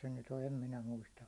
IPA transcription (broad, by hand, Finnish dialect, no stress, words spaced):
se nyt o em minæ muistɑ